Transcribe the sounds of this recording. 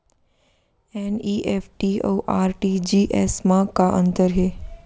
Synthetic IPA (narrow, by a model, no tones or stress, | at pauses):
eniʔefʈio̰ʔaːɾʈid͡ʒiːʔɛ̰smãkaʔə̃nt̪əɾɦeː